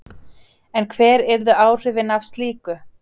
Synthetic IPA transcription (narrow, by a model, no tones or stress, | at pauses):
ɛnkʰvɛːɾɛɾðʏaːwr̥ɪvɪnafst̪liːkʏ